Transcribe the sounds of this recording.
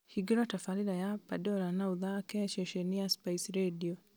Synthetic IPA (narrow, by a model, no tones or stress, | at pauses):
hiɡiɾɔtafalilajapadɔlanauðakɛʃɛʃɛniaspaisɾediɔ